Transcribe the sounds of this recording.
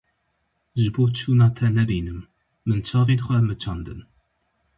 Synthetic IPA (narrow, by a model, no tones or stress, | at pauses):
ʒboːt͡ʃʰunɑt̪ʰɛnɛbiːnɨmː | ɨnt͡ʃʰɑːvenxʷɛmɨt͡ʃʰɑnd̪ɨ̰n